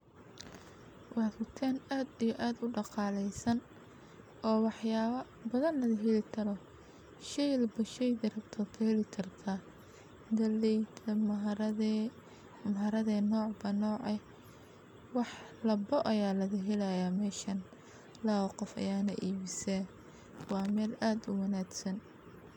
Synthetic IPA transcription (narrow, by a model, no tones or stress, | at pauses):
wʔɑːd̪rʊt̪ʰaːnaːd̪ijɔʔaːd̪ʊɖɑqɑːlɛjsɐn | ʔɔːwɑħjaːɐ | bɐðɐnlɐðɐɦɛlɪt̪ʰɐɾɔ | ʃɛjlbɐʃɛjd̪ɐrɐbt̪ʰɐlkʰɐhɛlɪt̪ʰɐrkʰɐ | d̪ɐlɛjt̪ʰɐm | mɐɦɐɾɐðɛnɔːʕbɐnɔːʕɛ | wɑħlɐbɔʔɐjaːlɐðɐɦɛlajamɛːʃɐn | laːɔqɔfɐ̰jaːnɐʔiːβɪsɛ | wɑːmɛːlaːd̪ʊ̰wɑnaːɡsɐn